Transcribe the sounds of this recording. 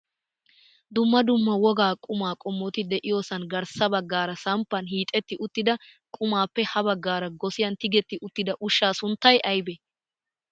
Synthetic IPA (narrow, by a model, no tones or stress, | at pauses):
d̪ʊmːɐd̪ʊmːɐwɔɡaːkʼʊmaːkʼɔmːɔt̪ɪd̪ɛʔɪjoːsɐnɡɐɾsɐbɐɡːaːɾɐsɐmpːɐnɦiːt̪ʼːɛt̪ːɪʔʊt̪ːɪd̪ɐ | kʼʊmaːpːɛhɐbɐɡːaːɾɐɡɔsɪjɐnt̪ɪɡɛt̪ːɪʔʊt̪ːɪd̪ɐʔʊʃːaːsʊnt̪ːɐjʔɐjbɛ